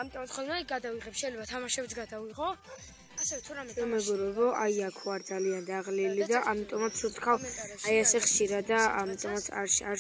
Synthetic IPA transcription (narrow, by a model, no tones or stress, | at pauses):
amit̪ʼɔmat̪χɔlˠmaɡad̪aviʁɛpʰʃɛjlɛbat̪ʰamaʃɛbt̪ʰɡad̪aviʁɔ | asɛɛt̪ʰuɾaamɛɡɔɾɛbɔʔajakʰɔaɾd̪zaliand̪aʁlilid̪aʔamit̪ʼɔmat̪sʰut̪ʰkʰavajasɛχʃiɾad̪aamit̪ʼɔmat̪sʰa̰ɾʃaɾ